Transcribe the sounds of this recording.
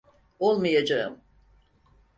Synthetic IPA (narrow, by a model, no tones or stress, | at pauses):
olˠmajad͡ʒaɯ̰m